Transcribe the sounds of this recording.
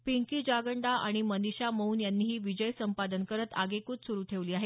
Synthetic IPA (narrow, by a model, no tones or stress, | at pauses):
piŋkiːd͡ʑaɡəɳɖaʔa̰ɽ̃iməniɕaməuːnjanːiːɦiːʋid͡ʑəjsəmpad̪ənkəɾət̪a̰ɡekuːt̪suɾuːt̪ʰeʋliːaɦe